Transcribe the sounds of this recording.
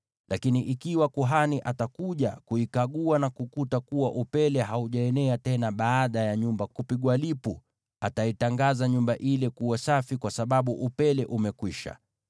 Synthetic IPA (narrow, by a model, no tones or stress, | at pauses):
lʔakiniʔikiwakuɦaniʔatakuʄakuikaɠuanakukutakuwaʔupɛlɛɦauʄaɛnɛatɛnaɓaːɗajaɲumbakupiɠwalipu | ataitaŋɡazaɲumbaʔilɛkuwasafikwasaɓaɓuʔupɛlɛʔumɛkwiʃa̰